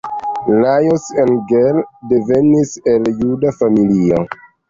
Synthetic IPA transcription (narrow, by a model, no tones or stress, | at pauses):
lajosenɡeldeveniseljudafamilio